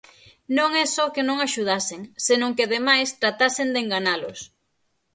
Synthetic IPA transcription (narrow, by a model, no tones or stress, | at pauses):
nõŋɛsɔkenõŋaʃuð̞asɪŋsenõŋkɪaðemajst̪ɾat̪asɪnd̪eŋɡaɲalʊs